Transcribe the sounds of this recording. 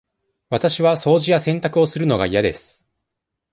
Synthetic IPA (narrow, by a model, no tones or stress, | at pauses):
βat̪aɕiβaso̞ːʑijasẽ̞nt̪akɯo̞sɨɾɯ̟no̞ɡa̰ijad̪e̞̰sɨ̥